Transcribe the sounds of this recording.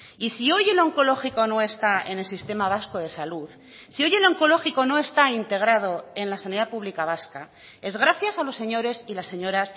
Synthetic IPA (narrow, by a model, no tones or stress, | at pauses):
isio̞je̞loŋko̞lo̞xiko̞no̞e̞st̪ae̞̰ne̞lsist̪e̞maβ̞asko̞ð̞e̞saluð | sio̞je̞lo̞ŋko̞lo̞xiko̞no̞e̞st̪aint̪e̞ɣ̞ɾað̞o̞e̞nlasaniðapuβlikaβ̞aska | e̞zɣ̞ɾaθjasalo̞sːe̞ɲo̞ɾe̞silasːe̞ɲo̞ɾas